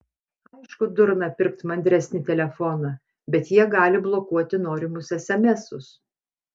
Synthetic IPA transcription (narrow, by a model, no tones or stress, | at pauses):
ɐɪʃkʊd̪ʊɾnɐpʲɪɾkt̪mɐnʲd̪ʲɾʲɛsʲnʲɪt̪ʲɛlʲɛfɔnɑ | bʲɛt̪jiɛɡɑːlʲɪblˠokuɔt̪ʲɪnoːɾʲɪmʊsɛsʲɛmʲɛsʊs